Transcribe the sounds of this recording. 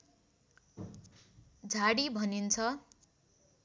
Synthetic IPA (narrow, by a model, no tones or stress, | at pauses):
d͡zʱaɽibʱʌnint͡sʰʌ